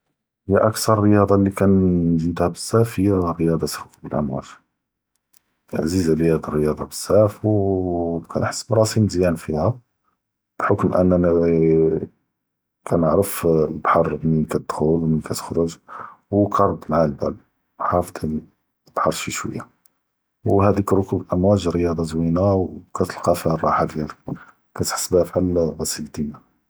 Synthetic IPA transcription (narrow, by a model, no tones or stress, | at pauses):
həjːæʔækt̪ɑɾˤrəjɑd̪ˤɑlikænʒəmt̪hæbəsːæfhəjːæɾəjɑd̪ˤɑt̪kbəlʔəmwæ̰t̪ | ʕzizrəjæd̪ɑrːəjɑd̪ˤɑbəsːæfw | kænħə̥sːbɾˤɑsimzjænfihæ | b̥ħokmʔæ̰nːænæ | kʰænəʕɾəflbħɑɾˤbmikæt̪̚d̪̥xulwmnikæt̪ə̥xɾʊʒwkʰɑɾˤd̪mʕalbæl | ħɑft̪ | b̥ħɑɾˤʃiʃwə̰jːa | whæd̪ikɾˤʊkublʔəmwæʒɾəjɑd̪ˤɑzwinawkæt̪əlqɑfihærˤːɑħakd̪ælək | kæt̪ħə̥sːbhæfħalɾˤɑsild̪inːa